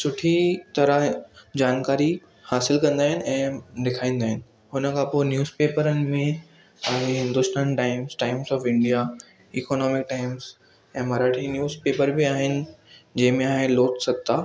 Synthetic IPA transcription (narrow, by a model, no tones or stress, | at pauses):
sʊʈʰit̪ɐɾəd͡ʑaːnkaːɾi | haːsɪlkɐ̃nd̪aːɦɪnɪ̆ɛ̃ːd̪ɪkʰaːĩːnd̪aːɦɪnɪ̆ | ɦʊnə̆kʰãpoenjuːzpeːpəɾənɪ̆mẽ | t̪ãːɡeɦɪ̃nd̪ʊst̪aːnʈaːɪmsʈaːɪmsɔːfɪ̃ɳɖija | iːkɔːnɔːmɪk̚ʈaːɪmz̥ | ɛ̃ːmɐɾaːʈʰinjuːzpeːpəɾbiaːɦɪnɪ̆d͡ʑɐ̃ɦɪ̃mẽaːɦeloːt̪ʰsɐɡt̪aː